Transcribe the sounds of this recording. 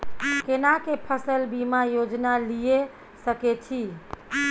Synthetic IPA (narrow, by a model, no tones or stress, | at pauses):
kenakepʰəsəlbimajod͡ʒnalije | səket͡ʃʰi